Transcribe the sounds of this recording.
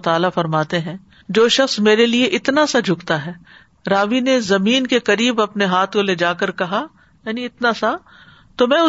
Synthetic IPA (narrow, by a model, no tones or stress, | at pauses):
t̪aːlafɐɾmaːt̪eɦɛ̃ː | d͡ʒoːʃɐxsmeːɾelieʔɪt̪nasad͡ʒʱʊkt̪aɦɛː | ɾaːʋinezɐmiːnkekɐɾiːbɐpneɦaːt̪ʰkoled͡ʒaːkɐɾkɐɦa | jaːniɪt̪nasa | t̪omɛ̃ːʊ